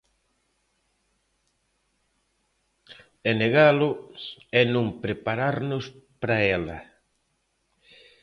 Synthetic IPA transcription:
ɛneɣalʊɛnõŋpɾepaɾaɾnʊspɾaɛlɐ̰

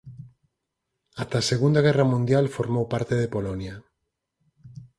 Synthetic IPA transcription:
at̪aseɣund̪aɣ̞ɛramũnd̪jalfoɾmowpaɾt̪eðepolɔnja

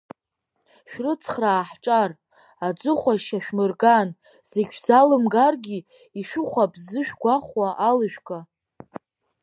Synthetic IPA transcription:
ʃᶣrɨt͡sʰχraːħʈ͡ʂʼar | ad͡ʒʷʼɨχʷaʃaʃᶣmɨrɡan | z̥eɡʲzalɨmɡarɡʲi | iʃᶣʊχʷabzɨʃᶣɡʷaχʷwaʔalɨʃᶣkʼa

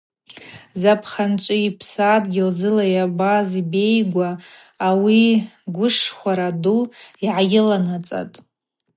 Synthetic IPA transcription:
zapʰχant͡ʃʷʼɪipʰsadɡʲɪlzɨlajabazibe̞jɡʷaː | wiɡʷʊʂχʷaɾadʊliʕaɡʲɪlanat͡sʼa̰tʼ

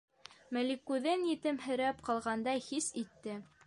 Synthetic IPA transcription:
mɘ̆likʉðɘnjɘ̆t̪ɘmhɘ̆ɾæpqɑlˠʁɑnd̪ɑjhisit̪ːɘ

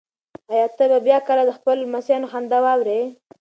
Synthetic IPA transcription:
ajɑt̪əbabjɑkəlad̪əxpəlmasjɑnoxand̪awɑwɾe

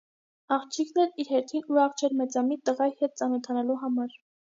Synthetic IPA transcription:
ɑχt͡ʃʰikʰnɛɾiɾhɛɾt̪ʰinuɾɑχt͡ʃʰɛɾmɛt͡sɑmit̪əʁɑjhɛt̪̚t͡sɑnɔt̪ʰɑnɑluɦɑmɑɾ

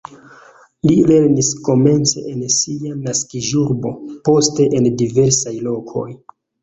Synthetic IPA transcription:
lile̞ɾnisko̞me̞nt͡se̞̰ʔensianaskiʒuɾbo̞po̞ste̞ʔendive̞ɾsajlo̞kʰo̞̰j

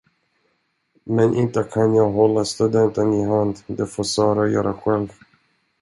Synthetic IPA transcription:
mɛnʔɪ̰nt̪əkʰanjɑːɡɦɔlːast̪ɵd̪ɛnt̪ənɪɦand̪d̪ɛfoːɾsɑːɾajœ̰ːɾaɧɛlv

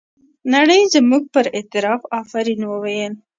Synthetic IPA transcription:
naɽəjzəmuɡ̚pəɾɪt̪ɪɾɑfɑfaɾinwəwajən

